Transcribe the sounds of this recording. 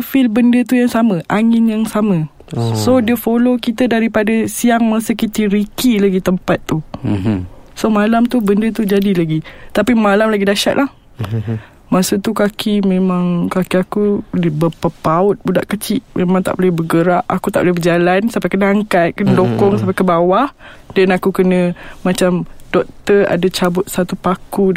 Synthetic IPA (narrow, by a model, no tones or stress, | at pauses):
filbəndət̪ujaŋsamə̃ʔaŋɪnjaŋsamə̃ | sodiəfolokit̪ədaɾipadəsiaŋmasəkit̪iɾikilaɡit̪əmpat̪ːu | somalamt̪ubəndət̪ud͡ʒadilaɡit̪apimalamlaɡidaʃa̰ʔ̪̚lʔah | masət̪ukakʰimẽmãŋkakiakudibəpəpaʊt̪̚buda̰ʔkət͡ʃiʔmemãŋt̪a̰ʔbolɛhbəɡəɾaʔakut̪aʔbolɛbəd͡ʒalansampakənaaŋkat̪̚kənədokɔŋsampakəbawahdanakukənə̃mãt͡ʃamdɔk̚t̪əa̰dat͡ʃabʊt̪̚sat̪upaku